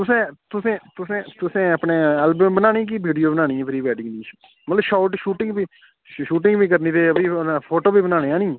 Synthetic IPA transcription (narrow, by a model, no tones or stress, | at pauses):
t̪ʊsẽːt̪ʊsẽːt̪ʊsẽːt̪ʊsẽːəpneːɛːlbəmbənaːniːk̬iːbiːɖijoːbənãːñiːɛ̃pʰɾiːʋɛːɖɪ̃ŋɡniːt͡ʃ | mət̪ləbʃaːʊʈʃuːʈɪ̃ŋɡbiː | ʃuːʈɪ̃ŋɡbiːk̬əɾniːt̪eːəbiːpʰoːʈoːbiːbənaːneːãːnĩː